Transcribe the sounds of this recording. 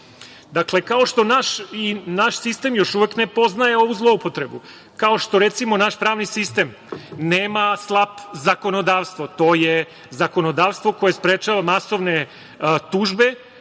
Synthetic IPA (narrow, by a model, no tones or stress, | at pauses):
d̪akle̞kao̞ʃt̪o̞naʃinaʃsist̪e̞mjo̞ʃuʋekne̞po̞znaje̞o̞ʋuzlˠo̞upo̞t̪ɾebu | kao̞ʃt̪o̞ɾet̪simo̞naʃpɾaːʋnisist̪e̞m | neːmaslˠapzako̞no̞d̪aːʋst̪ʋo̞t̪o̞je | zako̞nod̪aːʋst̪ʋo̞ko̞jespɾet͡ʃaʋamaso̞ʋne̞ | t̪uːʒbe̞